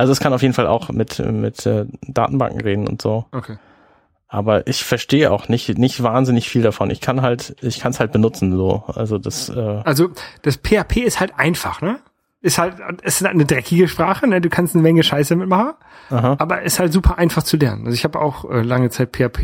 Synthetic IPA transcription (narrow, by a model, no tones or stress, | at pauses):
ʔalzoɛskʰanaʊfjeːdn̩fala̰ʊxmɪtɛ̰mɪ̰tʔɛ̰ːd̥a̰ːtn̩ba̰ŋkŋ̩ʁeːdn̩ʊ̰ntz̥oːʔokʰeː | ʔaːbɐʔɪçfɛɐʃteːəʔa̰ʊxnɪçtnɪçtv̥aːnzɪnɪçfiːldafɔnɪ̰çkʰanɦaltɪçkʰanshalt̚b̥ənʊt͡sn̩zo̰ːʔa̰lzodasʔɛːʔalzod̥aspʰeːapʰeːɪsthaltʔaɪnfaχnə | ʔɪsthaltʊɛsnədʁɛkɪɡəʃpʁ̥aːχənəduːkʰanstnəmɛŋəʃaɪs̬əmɪtmaχn̩ | ʔaɦaaːbɐʔɛshaltz̥uːpʰɐʔaɪnfaχt͡sulɛɐnənʔalzoʊɪçhaːbəʔa̰ʊxʔɛ̰ːlaŋət͡saɪt̚pʰeːapʰeː